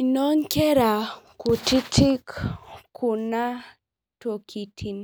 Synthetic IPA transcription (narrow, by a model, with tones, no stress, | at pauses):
i˨no˦ŋkɛ˦ɾa˨ku˨ti˦tʰi˦kkʰu˨na˦ | to˨kʰi˨tʰi˨n